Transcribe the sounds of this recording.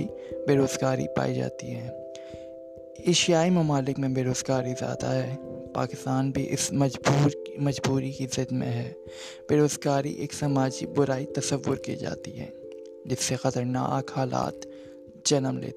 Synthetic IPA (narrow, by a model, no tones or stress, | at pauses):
i | beːɾoːzɡaːɾḭpa̰ːid͡ʒa̰ːt̪iɦɛ̃ː | eːʃijaːimɐmaːlɪkmẽbeːɾoːzɡaːɾizja̰ːd̪aɦɛpa̰ːkɪst̪aːnbʱiʔɪ̰sɐbuːɾmɐd͡ʒbuːɾikizɪd̪mḛ̃ɦɛː | b̥eːɾoːzɡaːɾḭʔḛːksɐmaːd͡ʒibʊɾaːit̪ɐsəʋːʊɾkḭːd͡ʒa̰ːt̪iɦɛ̰̃ː | d͡ʒɪsːexɐt̪əɾna̰ːkhaːla̰ːt̪ | d͡ʒɐnəmlḛː